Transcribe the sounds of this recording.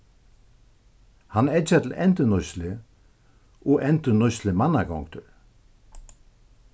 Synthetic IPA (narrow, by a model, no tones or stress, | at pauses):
hanɛd͡ʒat̪ʰlɛnt̪ʏnɔslɪ | ɔʔɛnt̪ʏnɔslɪmanːakɔ̰ŋkt̪ʏɾ